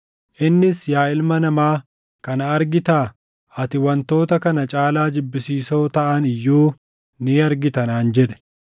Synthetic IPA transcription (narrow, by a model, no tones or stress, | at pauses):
ʔɪnːɪsjaːɪlmɐnɐmaː | kɐnɐɐɾɡɪt̪aː | ɐt̪ɪwɐnt̪o̞ːt̪ɐkɐnɐt͡ʃʼaːlaːd͡ʒɪbːɪsiːsoːt̪ɐʔɐnɪjːuː | niːɐɾɡɪt̪ɐnaːnd͡ʒɛᶑɛ̥